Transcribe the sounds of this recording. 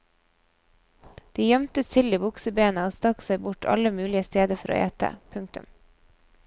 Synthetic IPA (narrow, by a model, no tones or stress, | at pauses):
d̪̥iːjœmt̪əsɪlɪbʊksəbeːnəoːst̪ɑksæɪbʊʈʰɑ̰ləmʉːlɪəst̪eːd̪əɾfɔɾo̰ːʔḛːt̪ə̰pʰʉŋk̚t̪ʉ̰m